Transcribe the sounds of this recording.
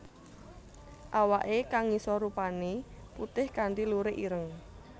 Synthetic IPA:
ʔawaʔekaŋːisɔɾupaneput̪ɪhkaɳdiluɾeʔiɾəŋ

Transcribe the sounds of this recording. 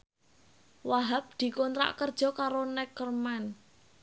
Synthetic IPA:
waɦap̚d̪̥i̤kɔnt̪ɾa̰ʔkərd̥ʒ̥ɔ̤kaɾonɛkərman

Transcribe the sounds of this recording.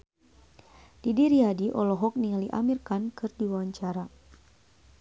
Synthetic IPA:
d̥idiɾiadiʔɔlɔɦɔk̚niŋaliʔa̰mirkankɨrdiwawaɲt͡ʃaɾa

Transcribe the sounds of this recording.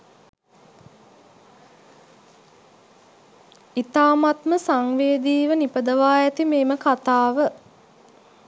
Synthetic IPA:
it̪aːmat̪məsaŋʋeːd̪iːʋənipəd̪əʋaːjæt̪imeːməkat̪aːʋə

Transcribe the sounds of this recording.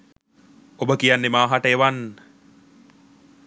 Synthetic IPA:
obəkijanːemaːɦaʈəeʋanː

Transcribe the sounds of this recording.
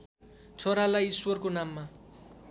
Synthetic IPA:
t͡sʰoɾalajiswʌrkonamːa

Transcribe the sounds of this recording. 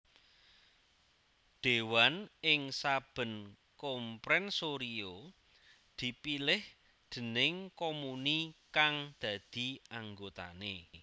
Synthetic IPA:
ɖ̪̥e̤wanɪŋsab̥ə̤n | kɔmpɾɛnsoɾio | d̪̥i̤pilɪh | d̪̥ə̤nɪŋkomunikaŋd̪̥ä̤d̪̥i̤aŋɡot̪a̰ne

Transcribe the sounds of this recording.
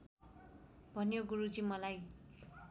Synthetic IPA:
bʱʌnjoɡuɾut͡simʌlaj

